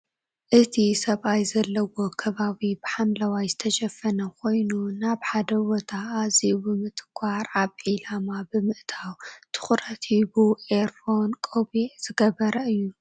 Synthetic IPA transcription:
ʔɨt̪ʰisɐβʔajzɐlːɐwo̞kʰɐβaβibɨħamlɐwajzɨt̪ʰɐʃɐfːɐnɐkʰo̞jnunaβħad̪ɐwot̪ʰaːzibɨmɨt̪ʼɨkʷʰaɾʔaβʕilamabɨmɨʔt̪ʰawt̪ʰɨ̥xɾɐt̪ʰibuʔeɾfonkʼoβiz̥ɨɡɐβɐɾɐɨjːu

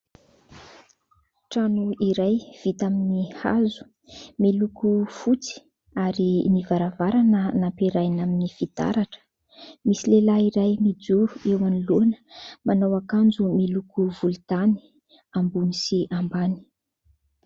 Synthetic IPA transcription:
ʈ͡ʂanuiɾajv̥it̪aminiha̰zu̥ | milukufut͡si̥ | aɾinivaɾavaɾanənampiɾajnaminifid̪a̰ɾaʈ͡ʂə̥ | misilelaiɾajmid͡zuɾuewanilonə̥manawakand͡zumilukuvult̪ani̥ | ambunisiʔambani̥

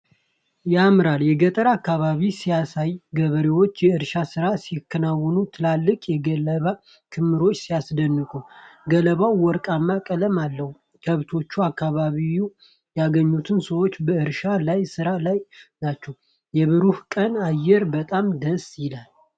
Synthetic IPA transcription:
jamɨɾaljɛɡət̪ʼəɾakːaβaβisijasajɡəβəɾewo̞t͡ʃːjɛɨɾʃasɨɾasikʰːənawːɔnut̪ʰɨlalːɨkʼjɛɡələβa | kʰɨmːɨɾo̞t͡ʃːsijasd̪ənːɨkʼuɡələβawwɔɾkʼamːakʼələmalːəhu | kʰəβt̪ʰo̞t͡ʃːuakːaβaβiju | jaɡəɲːut̪ʰɨnsəwo̞t͡ʃːbəɨɾʃalajsɨɾalajnat͡ʃːɛw | jɛβɨɾuhkʼənajːɛɾbət̪ʼamd̪əsjɪlal

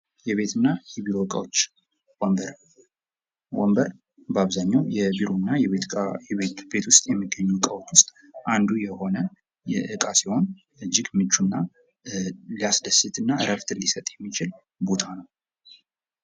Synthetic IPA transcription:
jɛβe̞t̪ʰɨnːajɛβiɾokʼa̰wot͡ʃː | wɔmbəɾ | wɔmbəɾ | bəaβzaɲːawjɛbiɾonːajɛβet̪jɛβetb̥e̞t̪wʊst̪ʼjɛmːɨɡːəɲːukʼawot͡ʃːwʊst̪ʼ | ʔand̪ujɛho̞nə | jɛʔɨkʼasiho̞n | ɨd͡ʒːɪɡmːɨt͡ʃːunːa | liasd̪əsɨt̪ʰɨnːaɨɾəft̪ʰɨɾlisət̪ʼjɛmːit͡ʃɪl | bo̞t̪ʰanəw

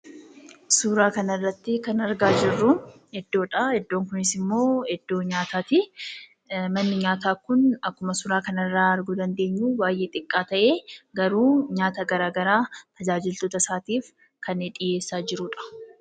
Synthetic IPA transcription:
suːɾaːkɐnɐrːɐt̪ːɪkɐnɐɾɡaːd͡ʒɪrːʊ | hɛd̪ːo̞ːᶑɐhɛd̪ːo̞ːŋkʊnɪsɪmːo̞ːhɛd̪ːo̞ːɲaːt̪aːt̪ɪ | mɐnːɪɲaːt̪aːkʊnɐkːʊmɐsʊɾaːkɐnɐrːaːɐɾɡud̪ɐnd̪e̞ːɲːuːwaːjʔeːt̪ʼɪkʼːaːt̪ɐʔe̞ːɡɐɾuːɲaːt̪ɐɡɐɾaːɡɐɾaːt̪ʰɐd͡ʒaːd͡ʒɪlt̪o̞ːt̪ɐsaːt̪iːf | kɐnɛᶑʼɪje̞ːsːaːd͡ʒɪɾuːᶑɐ̥

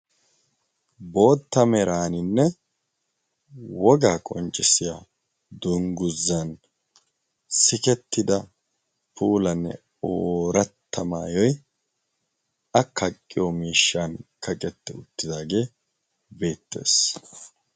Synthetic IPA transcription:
bo̞ːt̪ːɐmɛɾaːnɪnːɛ | wɔɡaːkʼɔnt͡ʃʼːɪsɪja | d̪ʊŋɡʊzːɐn | sɪkɛt̪ːɪd̪ɐ | pʰuːlɐnːɛ̰ | oːɾɐt̪ːɐma̰ːjɔj | ɐkʰːɐkʼːɪjomiːʃːaːnkʰɐkʼɛt̪ːɛʊt̪ːɪd̪aːɡe̞ː | be̞ːt̪ːe̞̰ːs

